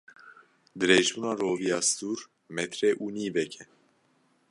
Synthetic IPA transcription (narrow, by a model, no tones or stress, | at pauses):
d̪ɨɾeːʒbuːnɑːɾoːvijɑːst̪uːɾ | mɛt̪ɾɛʔuːniːvɛkʰɛ